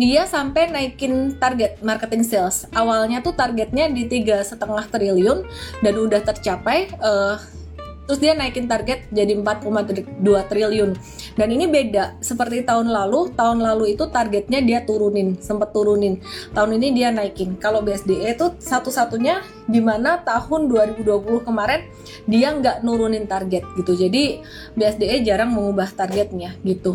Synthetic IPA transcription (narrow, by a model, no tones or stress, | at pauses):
diasampajnaikɪnt̪arɡɛt̪̚markət̪ɪŋsɛlsʔawalɲat̪ut̪arɡɛt̪̚ɲadit̪iɡasət̪əŋaht̪ɾiliʊndanudaht̪ərt͡ʃapajə | t̪əɾʊsdianaikɪnt̪arɡɛt̪̚d͡ʒadiəmpat̪̚komaduat̪ɾiliʊn | daninibedasəpərt̪it̪aʊnlalut̪aɦʊnlaluit̪ut̪arɡɛt̪̚ɲadiat̪uɾunɪnsəmpət̪ːuɾunɪnt̪aɦʊninidianaikɪnkalobeɛsdeʔet̪usat̪usat̪uɲa | dimanat̪ahʊnduaɾibuduapulʊhkəmaɾɛn | diaŋɡaʔnuɾunɪnt̪arɡɛt̪̚ɡit̪ud͡ʒadi | beɛsdeed͡ʒaɾaŋməŋubaht̪arɡɛt̪̚ɲaɡit̪u